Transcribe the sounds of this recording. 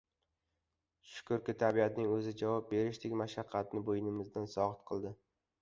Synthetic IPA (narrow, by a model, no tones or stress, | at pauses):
ʃʊ̥kʰʊɾkʲɪt̪ʰabiat̪nɪŋɵzɪd͡ʒavɒp̚be̞ɾɪʃd̪ekʲmaʃaqʰːɑt̪̚nɪbojɪnɪmɪzd̪ansɒʁɨt̪qʰɨlˠd̪ɪ